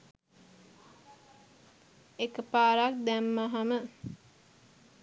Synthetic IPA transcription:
ekəpaːɾak̚d̪æmːaɦamə

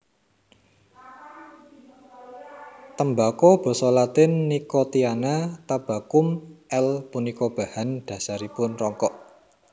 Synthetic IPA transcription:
t̪əmbakɔb̥o̤sɔlat̪ɪnːikot̪ianat̪ab̥ä̤kʊmʔɛlpunikɔb̥a̤hand̪̥ä̤saɾipʊnrɔŋkɔʔ

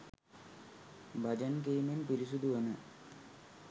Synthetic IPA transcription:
bɐd͡ʒɐnk̬ejmenpiɾisud̪uənə

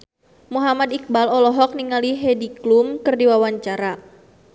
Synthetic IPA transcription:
muɦamad̪ik̚balɔlɔɦɔk̚niŋaliɦediklumkɨrdiwawaɲt͡ʃaɾa

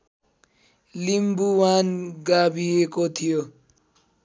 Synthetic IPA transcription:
limbuwanɡabiekot̪ʰijo

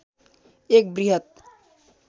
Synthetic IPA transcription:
eːk̚bɾiɦət̪̚

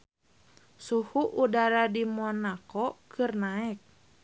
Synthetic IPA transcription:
suhuʔudaɾadimɔnakɔkʰɨrnaɛk̚

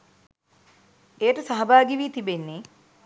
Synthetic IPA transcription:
ejəʈəsaɦɐbaːɡiʋiːt̪ibenːe

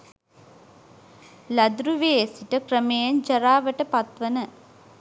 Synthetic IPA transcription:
lɐd̪ɾuʋeesiʈəkɾəmejɐnd͡ʒɐɾaːʋəʈəpɐt̪ʋənə

